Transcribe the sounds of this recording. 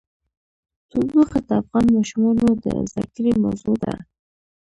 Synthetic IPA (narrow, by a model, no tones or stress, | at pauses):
t̪ulbuxad̪əafɣɑnmɑʃumɑnod̪ə̰za̰kɾima̰wzod̪a̰